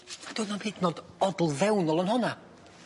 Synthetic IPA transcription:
mad̥uːnɔnheːdnoːd | ɔdl̩ˠðɛwnɔlˠənhɔna

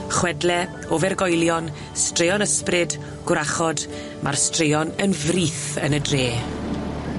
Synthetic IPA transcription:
χwɛdlɛ | ovɛrɡɔjlˠjɔn | strɪjɔnəsprɨd | ɡ̥ʊɾaχɔd | mʔa̰rstrejɔnənvriːθənədreː

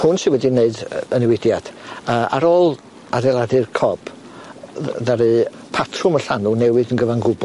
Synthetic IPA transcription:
hʊnsɪwɛdineɨdənɪwɪdjad̥əa̰ɾɔːlˠ | adɛlˠadɨrkʰɔb̥ | ðaɾɨ | pʰatʰrʊməɬanunɛwɨðənɡəvanɡʊbɔ

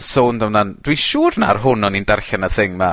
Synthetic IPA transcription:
soːndamnand̥wiʃuːrna̰rɦʊnɔnindarɬɛnəθɪŋma

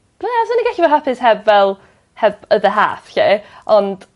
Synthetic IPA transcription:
asəniɡaɬivɛɦapʰɪshɛbvɛlˠ | hɛbəðəɦa̰ːθɬeʔɔnd̥

